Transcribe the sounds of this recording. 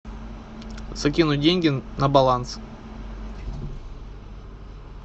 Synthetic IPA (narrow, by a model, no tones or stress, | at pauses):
z̥akʲinudʲeŋʲɡʲɪnabɐlˠans